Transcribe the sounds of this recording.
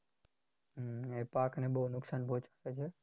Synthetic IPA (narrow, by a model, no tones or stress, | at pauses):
eːpaːknẽːɓonʊksaːnbʱoːt͡ʃḁːsed͡ʒeː